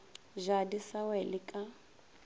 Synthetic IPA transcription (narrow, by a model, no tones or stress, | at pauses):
ʒadisawɛlɪkʼa